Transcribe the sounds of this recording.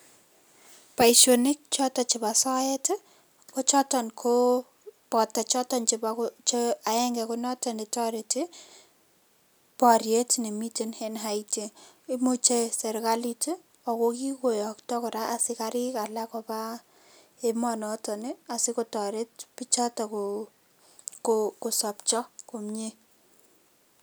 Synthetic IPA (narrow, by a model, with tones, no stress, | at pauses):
pa˨iʃonɪ˦k̚t͡ʃɔ˦tɔ˦t͡ʃɪ˨ba˨sɔ˦ɛ˦t | kɔ˦t͡ʃɔ˦tɔ˨nkʰo˦ | pɔ˨tɛ˨t͡ʃɔ˦tɔ˦nt͡ʃɪ˨bakt͡ʃa˨ɛ˦ŋɡɛ˨kʊ˦nɔ˦tɔ˨ne˨tɔ˦ɾeti | pɔ˨ɾje˦tne˨mi˦ti˦nhenɦaite˨ | i˦mo˦t͡ʃe˦sɛ˨ɾka˦li˦ti˦ | ɔ˨ko˦ki˦ko˨jɔ˨ktɔ˦kʊ˨ɾa˦ʔa˨sɪ˦kaɾɪ˦ka˨la˦kɔ˨pa˦ | e˦mɔ˨nɔ˦tɔ˨ne˦a˨sɪ˦ko˦tɔ˨ɾe˦t̚pi˦t͡ʃɔ˦tɔ˨ko | koko˨sɔ˨pt͡ʃɔ˦ko˨mɲe˦